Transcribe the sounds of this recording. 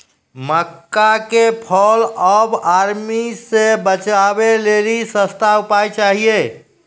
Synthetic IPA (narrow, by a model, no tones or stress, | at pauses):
məkːakepʰələbaɾmisebət͡ʃabelelisə̃st̪ʰaupajt͡ʃaɦije